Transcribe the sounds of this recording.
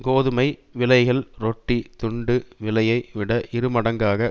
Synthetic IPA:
koːðɯmɐɪʋɪlɐɪɣɐɭɾɔʈːit̪ʊɳɖɯʋɪlɐjɐɪʋɪɽɐʔɪɾɯmɐɽɐŋɡaːɣɐ

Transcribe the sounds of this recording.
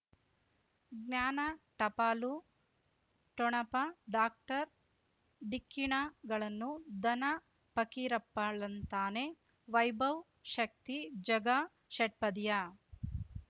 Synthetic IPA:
ɡnaːnɐʈɐpaːlu | ʈɔɳɐpɐɖaːk̚ʈɐɾ | ɖikːiɳaɡɐɭɐnːud̪ɐnɐ | pɐkiɾɐpːaɭɐnt̪aːne̞ | ʋɐjbɐw | ʃɐk̚t̪id͡ʒɐɡa | ʃɐʈ̚pɐd̪ja

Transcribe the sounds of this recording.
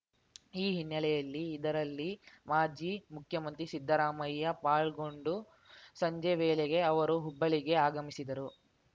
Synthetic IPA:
iːɦinːɐɭɛjɐlːiːd̪ɐɾɐlːimaːd͡ʒiːmukʰjɐmɐnt̪ɾisid̪ʱːɐɾaːmɐjːɐpaːɭɡo̞ɳɖu | sɐɲd͡ʒeʋeːlɛɡe̞ɐʋɐɾuɦubːɐɭiɡe̞aːɡɐmisid̪ɐɾu

